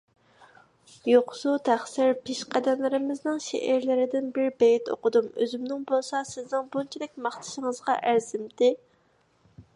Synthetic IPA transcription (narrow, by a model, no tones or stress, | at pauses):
joqsut̪ʰæχsɪɾpʰeʃqʰæd̪ɛmlɪɾɪmɪznɨŋʃḛʔæɾlɪɾɪd̪ɪnbɪɾbɛjit̪o̰qʊd̪umøzymnɪŋbolˠsɑsɪznɪŋbunt͡ʃʰid̪ɪk̚ʲmɑχt̪ʰɨ̥ʃɪŋəzʁɑʔæɾzɪmt̪ɪ